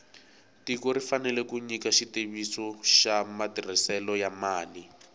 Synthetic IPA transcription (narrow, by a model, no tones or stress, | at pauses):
tikɔɾifanɛlɛkuɲikaʃiteβisɔʃamatirisɛlɔjamaːli